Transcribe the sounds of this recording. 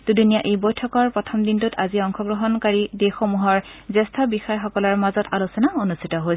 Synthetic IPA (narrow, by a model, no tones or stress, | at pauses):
d̥udunijaʔejbojtʰɔkɔɹpɹɔtʰɔmdintutʰaziɔŋxɔɡɹɔɦɔnkaɹidexomuɦɔɹzɛstʰɔbixajxɔkɔlaɹmazɔtalusɔnaonustʰitɔɦoj